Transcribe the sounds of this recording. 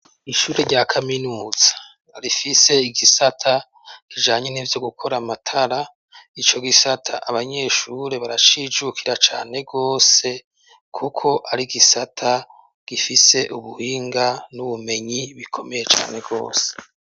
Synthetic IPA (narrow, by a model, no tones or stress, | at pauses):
iʃuːɾeɾɟaːkʰaminuːz̥ḁ | ɾifise̞iɡisatʰa | kid͡ʒaːɲeniːvjo̞ɡukʰo̞ɾamatʰaɾa | it͡ʃo̞ɡisatʰaʔaβaɲe̞ʃuɾe̞βaɾat͡ʃiːd͡ʒukʰiɾat͡ʃaːne̞ɡo̞ːse̞ | kʰukʰo̞ʔaɾiɡisatʰa | ɡ̥ifise̞ʔuβuhiːŋɡanuβume̞ɲiβikʰo̞me̞je̞t͡ʃa̰ːne̞ɡo̞̰ːse̥